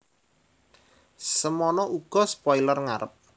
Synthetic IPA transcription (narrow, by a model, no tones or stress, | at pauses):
səmɔnɔʔuɡ̥ɔ̤spɔilərŋaɾəp̚